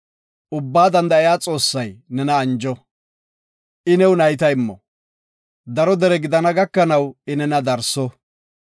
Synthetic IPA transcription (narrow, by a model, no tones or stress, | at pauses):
ʔʊbːaːd̪ɐnd̪ɐɪjaːt͡sʼo̞ːsːɐjnɛnɐːnd͡ʒɔ | ʔɪnɛwnɐjt̪ɐɪmːɔ | d̪ɐɾɔd̪ɛɾɛɡɪd̪ɐnɐɡɐkːɐnɐwɪnɛnɐd̪ɐɾsɔ